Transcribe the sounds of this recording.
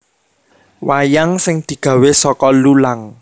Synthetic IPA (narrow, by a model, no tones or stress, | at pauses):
wajaŋsɪŋd̪̥i̤ɡ̥ä̤wesɔkɔlulaŋ